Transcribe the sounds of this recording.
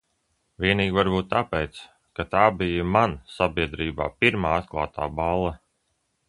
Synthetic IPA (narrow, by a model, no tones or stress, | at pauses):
vʲiɛniːɡʲvaɾbuːt̪ːapɛt̪s | kat̪aːbijamansabiɛd̪ɾiːba̰ːpiɾmaːat̪̚klˠaːt̪ʰa̰ːbalˠːɐ